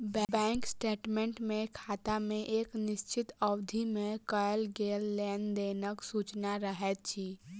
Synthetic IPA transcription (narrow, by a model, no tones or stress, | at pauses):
bɛbɛ̃ːŋksʈeːʈmẽɳʈmẽkʰaːt̪amẽʔeːknɪʃt͡ʃɪt̪əwd̪ʱimẽkəjəlɡeːlːɛːnd̪eːnəksuːt͡ʃnaɾəɦɛt͡ʃʰiː